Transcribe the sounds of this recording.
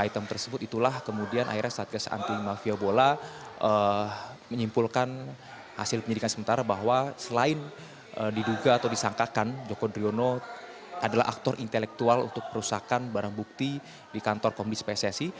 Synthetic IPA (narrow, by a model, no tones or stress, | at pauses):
ait̪əmt̪ərsəbʊt̪it̪ulahkəmudianʔa̰iɾɛsat̪̚ɡasaʔa̰nt̪imafiabolaʔə | məɲimpulkan | ha̰sɪlpəɲədikansəmənt̪aɾabaɦwasəlaɪn | ədiduɡaːt̪awdisaŋkakand͡ʒokodɾiono | ʔadala̰ɦa̰k̚t̪ɔrʔint̪elɛk̚t̪ualṵnt̪ʊk̚pəɾusakanbaɾaŋbuk̚t̪i | dikant̪ɔrkɔmbɪt̪spesɛsi